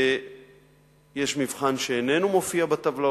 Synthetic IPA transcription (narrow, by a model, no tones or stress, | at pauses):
jeʃmivχanʃeːne̞numo̞fiabat̪avla